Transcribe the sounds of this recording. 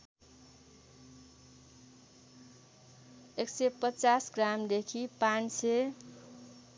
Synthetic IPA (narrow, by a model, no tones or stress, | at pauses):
eksepʌt͡sasɡramd̪ekʰipanse